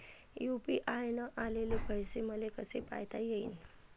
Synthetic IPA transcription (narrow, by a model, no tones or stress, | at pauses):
jupiʔajnəʔalelebʱəjseməlekəsepa̰jt̪ajeiːn